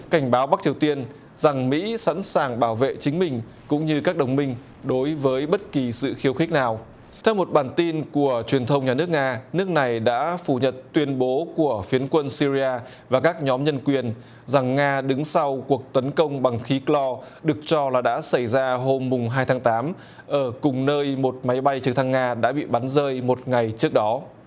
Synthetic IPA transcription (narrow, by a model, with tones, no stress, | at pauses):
ka˧˩jŋ̟ɓaː˨˦wɓa˦˥k̚t͡ɕi˨˩əwt̪i˧ən | za˨˩ŋmḭ˧˥sa̰˧˥nsaː˨˩ŋɓaː˧˩wvḛ˧˨t͡ɕï˨˦ŋ̟mï˨˩ŋ̟ | kʊ̰˧˥ŋ͡mɲɨ˧kaː˦˥k̚ɗə˨˩wŋ͡mmï˧ŋ̟ | ɗo˨˦jvəː˨˦jɓə˦˥t̚ki˨˩sɨ̰˧˨xi˨˦əwxï˦˥k̟̚naː˨˩w | t̪ʰɛ˧wmo˨˩t̚ɓaː˨˩nt̪i˧nku˧˩ət͡ɕwi˨˩ənt̪ʰə˧wŋ͡mɲaː˨˩nɨ˦˥ək̚ŋaː˧nɨ˦˥ək̚na˨˩jɗa̰ː˧˥fu˧˩ɲə˨˩t̚t̪wi˧ənɓo˨˦ku˧˩əfi˨˦ənkwə˧nsi˧zi˧aː˧ | vaː˨˩kaː˦˥k̚ɲɔ˨˦mɲə˧nkwi˨˩ən | za˨˩ŋːaː˧ɗɨ˨˦ŋsa˧wku˨˩ək̚t̪ə˨˦nkə˧wŋ͡mɓa˨˩ŋxi˨˦klɔ˧ | ɗɨ˨˩ək̚t͡ɕɔ˧laː˨˩ɗa̰ː˧˥sa˧˩jzaː˧ɦo˧mːʊ˨˩ŋ͡mɦaː˧jt̪ʰːŋt̪aː˨˦m | ʔəː˧˩kʊ˨˩ŋ͡mnəː˧jmo˨˩t̚ma˨˦jɓa˧jt͡ɕɨ˨˦t̪ʰa˧ŋːaː˧ɗa̰ː˧˥ɓḭ˧˨ɓa˨˦nzəː˧jmo˨˩t̚ŋa˨˩jt͡ɕɨ˦˥ək̚ɗɔ˨˦